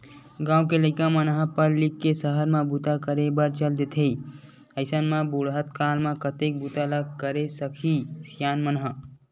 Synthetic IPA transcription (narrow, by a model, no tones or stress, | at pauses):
ɡãːũkeləɪkamənɦəpəɾlikːesəɦəɾmẽbut̪akəɾebəɾt͡ʃəld̪et̪ʰei | əɪsənmẽbuɽɦət̪kalmẽkət̪ek̚but̪aləɡkəɾesəkʰisijaːnmənɦə